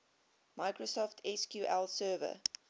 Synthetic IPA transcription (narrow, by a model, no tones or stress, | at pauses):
maɪkɹosɔftʰɛskjuʔɛlˠsɜːvə̰